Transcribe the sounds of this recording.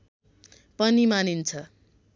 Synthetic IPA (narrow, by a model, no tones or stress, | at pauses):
pʌnimanint͡sʰʌ